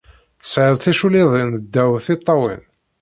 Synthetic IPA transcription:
sʕəðˤθæʃuliðˤind̪ːæwθit̪ˤːɑwḭn

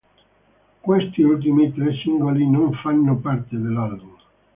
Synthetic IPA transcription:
kwest̪iult̪̬imit̪ɾesiŋɡolinoɱfanːopart̪ed̪elːalbum

